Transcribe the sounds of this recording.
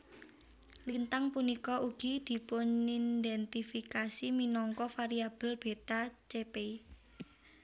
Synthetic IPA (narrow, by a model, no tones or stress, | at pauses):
lint̪aŋpunikɔʔuɡ̥i̤d̪̥i̤pʊnind̪ɛnt̪ifikasiminɔŋkɔfaɾiab̥ə̤lb̥e̤t̪at͡ʃepei